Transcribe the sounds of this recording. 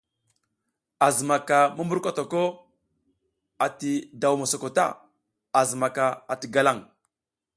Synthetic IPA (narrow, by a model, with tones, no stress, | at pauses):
a˨zə˨ma˨ka˨mə˦mbu˦ɾkʷa˦to˨ko˦ | a˨ti˨da˨wma˨so˨ko˨ta̰˦˨ | a˨zə˨ma˨ka˨a˨ti˨ɡa˦la˦˨ŋ